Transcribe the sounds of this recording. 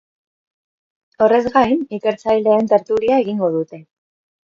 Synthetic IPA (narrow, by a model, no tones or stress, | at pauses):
o̞re̞zɣajnike̞ɾt͡sajle̞ːnt̪e̞ɾt̪uliae̞ɣiŋɡo̞ð̞ut̪e̞